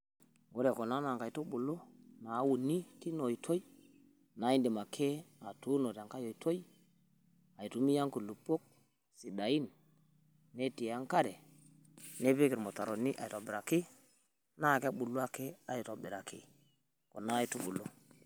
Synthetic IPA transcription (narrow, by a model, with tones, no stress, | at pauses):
wo˦ɾe˨ko˨na˦na˨ŋka˨i˨to˦ɓu˨lo˦na˨˦wu˨ni˦ti˦no˨i˨tʰo˦i˦ | na˨˦i˦ndi˨ma˨kʰe˦a˨tu˦no˨ta˨ŋka˦jo˨i˨to˦i˦ | a˨i˨tu˨˦mi˦ja˦ŋku˨lu˨pːo˦k̚ | si˨ɗa˨ji˦nː | e˦ti˨a˦ŋka˦ɾe˨ | ne˦be˦ki˨ɾmo˨ta˨ɾo˨ni˦ʔa˨i˨to˨bi˨ɾa˨ki˦ | na˦˨ke˦ɓu˨lːo˦a˦ke˦a˨ji˨to˨bi˨ɾa˨kḭ˦ | ko˨na˦i˦tu˦ɓṵ˨lːo˦